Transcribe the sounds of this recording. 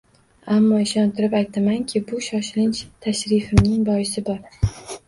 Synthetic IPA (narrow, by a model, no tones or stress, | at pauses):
amːɒɪʃɒnt̪ʰɪɾɪpajt̪ʰamaŋkʲʰɪbʊʃɒʃɪlɪnt͡ʃt̪ʰaʃɾɪfɪmnɪŋbɒjɪsɪbɒɾ